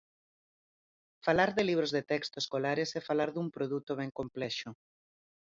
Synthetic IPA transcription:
falaɾðeliβ̞ɾozðet̪ɛkst̪oeskolaɾesefalaɾðumpɾoðut̪oβ̞ɛŋkomplɛʃʊ

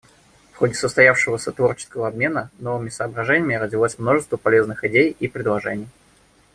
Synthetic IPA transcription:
fxo̞dʲɪsəst̪ɐjafʂɨvəsʲət̪vo̞rt͡ɕɪ̥skəvəɐbmʲe̞nəno̞vɨmʲɪsəːbɾɐʐɛnʲɪmʲɪrədʲɪlˠosʲmno̞ʐɨst̪vəpɐlʲe̞znɨxɪdʲejipɾʲɪd̪lˠɐʐɛ̰nʲɪj

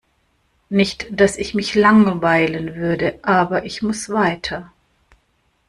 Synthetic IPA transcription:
nɪçtd̥asɪçmɪçlaŋəvaɪlənvʏɐdəʔaːbɐʔɪçmʊsv̥aɪtʰɐ

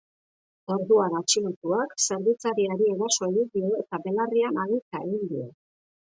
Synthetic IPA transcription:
o̞ɾðuaɾat͡ʃilut̪uakse̞ɾβit͡saɾiaɾieɾaso̞eɣid̪io̞e̞t̪abe̞larianaɣik̪ae̞ɣind̪io̞

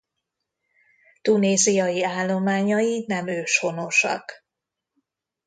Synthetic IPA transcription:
t̪uneːzijɒjiaːlːo̞maːɲɒjinɛmøːʃho̞no̞ʃɒ̰k

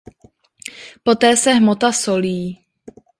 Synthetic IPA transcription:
po̞t̪ɛːsɛɦmot̪asoliː

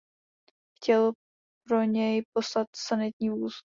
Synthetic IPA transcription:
xcɛl | p̚ɾo̞ɲɛjpo̞slat̪sanɪt̪̚ɲiːvuːz

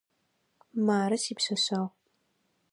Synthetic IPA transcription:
maːɾɐsiːpɕɐɕɐʁ

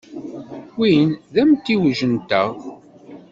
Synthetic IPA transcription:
winðæmt̪ːiwəʒənt̪æ

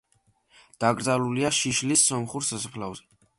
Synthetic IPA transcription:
d̪̥aɡɾd̪aluliaʃiʃlisːɔmχuɾsasχlavzɛ

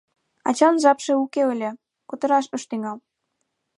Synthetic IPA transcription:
ɑ̰t͡ɕɑnʒɑpʃeukeəlʲe | kut̪ə̆ɾɑʃəʃt̪yŋɑl

